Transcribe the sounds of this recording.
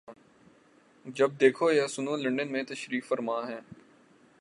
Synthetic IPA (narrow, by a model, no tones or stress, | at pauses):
d͡ʒɐb̚d̪eːkʰojasʊnõːlɐ̃ɳɖənmẽt̪ɐʃɾiːkfəɾmãːɦɛ̃ː